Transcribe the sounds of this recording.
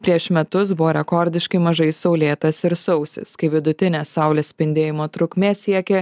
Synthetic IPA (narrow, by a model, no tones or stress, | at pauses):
pʲɾʲiɛʃmʲɛt̪ʊsbʊʋoːɾʲɛkɔɾʲd̪ʲɪʃkɐɪmɐʒɐɪsɒʊlʲeːt̪ɐsɪɾsɐʊsʲɪ̰skɐɪʋʲɪd̪ʊt̪ʲɪnʲeːsɑˑʊlʲeːssʲpʲɪnʲd̪ʲeːjɪmoːt̪ɾʊkmʲeːsʲiɛkʲeː